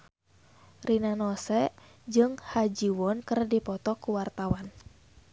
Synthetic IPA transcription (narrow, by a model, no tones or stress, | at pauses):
rʔinanɔsɛ | d͡ʒɨŋhad͡ʒiwɔnkərdipɔt̪ɔkuwart̪awan